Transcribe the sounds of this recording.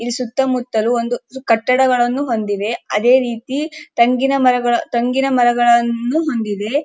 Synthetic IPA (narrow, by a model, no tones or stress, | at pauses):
ilisut̪ːɐmut̪ːɐluo̞nd̪ukɐʈːɐɽɐɡɐɭɐnːuɦo̞nd̪id̪e̞ɐd̪e̞ːɾiːt̪it̪ɐŋɡinɐmɐɾɐɡɐɭɐt̪ɐŋɡinɐmɐɾɐɡɐɭɐnːuɦo̞nd̪id̪e̞